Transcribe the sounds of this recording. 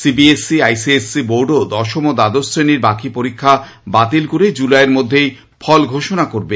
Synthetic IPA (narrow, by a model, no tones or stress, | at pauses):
sibiesiajsiesːiboɾɖod̪ɔʃomod̪ad̪ost̪ʰɾeniɾbakipoɾikʰːa | bat̪ilkoɾed͡ʑulaeɾmod̪ʱːej | fʰɔlɡʱoʃonakoɾbe